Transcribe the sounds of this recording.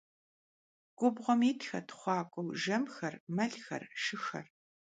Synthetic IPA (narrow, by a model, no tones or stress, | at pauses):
ɡ̥ʷʊbʁʷɔmiːtʰxɐtʰχʷɑːkʷʼɔwʒɐmxɐrmɐɮxɐ̰rʃɨxɐ̰r